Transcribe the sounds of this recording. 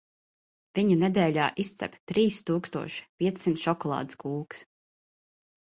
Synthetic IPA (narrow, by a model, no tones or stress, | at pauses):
v̥iɲɐnɛd̪ɛːlʲaːʔist̪sʲɛ̰pʲt̪ɾiːst̪uːkst̪uɔʃi̥pʲiɛt̪sːimt̪ʃɔkɔlˠɑ̰ːd̪i̥skuːks